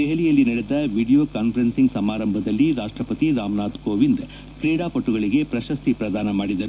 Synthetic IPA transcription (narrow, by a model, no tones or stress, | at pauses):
eɦɐlijɐlːinɐɽed̪ɐʋiːɽijoːkaːnpʰɐɾɐnsiŋɡsɐmaːɾɐmbʱɐd̪ɐlːiɾaːʂʈɾɐpɐt̪iɾaːmnaːd̪koːʋind̪ | kɾiːɽaːpoʈːuɣɐɭiɡe̞pɾɐʃɐst̪ipɾɐd̪aːnɐmaːɽid̪ɐɾu